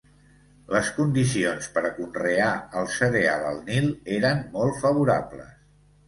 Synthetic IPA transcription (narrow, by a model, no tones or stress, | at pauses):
ləskund̪isionspəɾəkunreaəlˠsəɾea̰lə̰lˠnilˠeɾənmɔlˠt̪fəβ̞uɾa̰blə̰s